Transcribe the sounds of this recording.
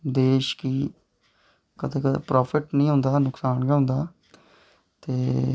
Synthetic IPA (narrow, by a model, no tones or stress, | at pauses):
d̪eːʃkiː | kət̪ʰeːkpɾaːpʰɪʈnĩːɦʊ̃ːnd̪aːnʊksaːnɡaõːnd̪aː | t̪eː